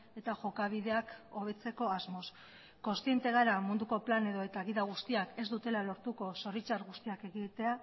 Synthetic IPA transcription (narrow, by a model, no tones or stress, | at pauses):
e̞t̪aʝo̞kaβ̞iðe̞ako̞β̞e̞t͡se̞ko̞azmo̞s | ko̞nst̪ient̪e̞ɣ̞aɾamund̪uko̞plane̞ðo̞e̞t̪aɣiðaɣ̞ust̪iake̞zd̪ut̪e̞lalo̞ɾt̪uko̞so̞rit͡ʃaɾɣust̪iake̞ɣit̪e̞a